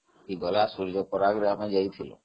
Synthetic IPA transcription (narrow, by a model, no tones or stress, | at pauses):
kiɡɔlasuɾd͡ʒɔpɔɾaɡɾeamad͡ʒajt̪ʰilo̰